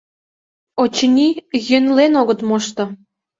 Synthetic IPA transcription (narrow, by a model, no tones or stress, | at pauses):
ot͡ɕənʲijønlenoɣə̆t̪moʃt̪ɤ̆